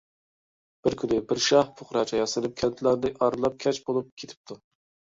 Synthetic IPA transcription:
b̥ɪɾkʲʰynɪbɪɾʃɑhpʰʊχɾɑt͡ʃʰɑjɑsɨlɪp̚kʲʰɛnt̪ʰlæɾd̪ɪʔɑɾlˠɑp̚kʲʰɛt͡ʃbolˠup̚kʲʰet̪ʰɪ̥p̚t̪ʰu

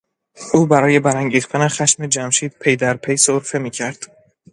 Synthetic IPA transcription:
ʔuːbæɾɒːje̞bæɾæŋɟiːxt̪ʰæne̞xæʃmed͡ʒæmʃiːd̪̥̚pʰe̞jd̪æɾpʰe̞jsoɾfe̞miːcʰæɾd̪̥

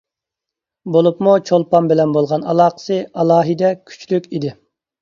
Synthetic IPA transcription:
bolˠupmut͡ʃʰolˠpɑmbɪlɛnbolˠʁɑnɑ̰lˠɑːqə̥sɨʔɑlˠɑːɦɪd̪ɛkʲʰy̥t͡ʃlykʲid̪ɪ

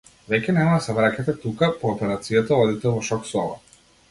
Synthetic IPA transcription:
vɛcʲɛnɛmad̪asɛvɾacat̪ɛt̪ukapɔːpɛɾat̪sijat̪aɔd̪it̪ɛvɔʃɔksɔla̰

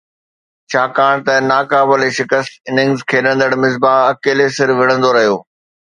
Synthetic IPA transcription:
t͡ɕʰaːkaːɽ̃t̪ɐnaːkaːbəleʃɪkəst̪ɪnɪ̃ŋɡzkʰeːɗə̃nd̪əɽmɪzbaːɐkeːlesɪɾʋɪɽ̃ə̃nd̪oɾɐɦijoː

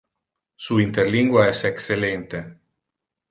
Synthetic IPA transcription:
suint̪eɾliŋɡwaɛsekselent̪e

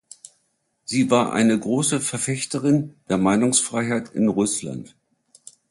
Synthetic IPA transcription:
z̥iːvaːɐʔa̰ɪnəɡʁoːsəfɛɐfɛçtəʁɪnd̥eːɐmaɪnʊŋsfʁ̥aɪɦaɪtɪnʁʊsla̰nt

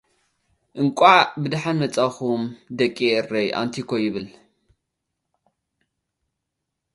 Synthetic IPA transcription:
ʔɨŋkʷʼabɨd̪aħanmɐt͡sʼaxumd̪ɐkʼːiɨrːejʔa̰nt̪ʰikʰojɪβɨl

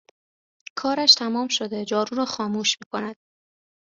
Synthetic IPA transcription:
kʰɒːɾæʃt̪ʰæmɒːmʃod̪e̞d͡ʒɒːɾuːɾɒːxɒːmuːʃmiːkʰo̞næd̪̥̚

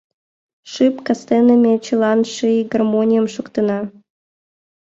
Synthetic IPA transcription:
ʂɨpkast̪enəmʲet͡ɕɨlˠɑnʃɨɡɐrmonʲijəmʃukt̪ə̆nɑ

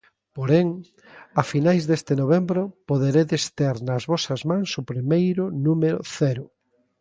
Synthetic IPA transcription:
poɾeŋ | ɐfinajzðest̪enoβ̞embɾopoðeɾeðest̪eɾnɐzβɔsɐzmãŋsʊpɾimejɾʊnumeɾʊθɛɾʊ

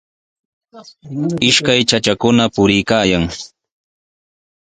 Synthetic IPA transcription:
ɪʃkajt͡ʃat͡ʃakʊnapʊɾɪjkaːjaŋ

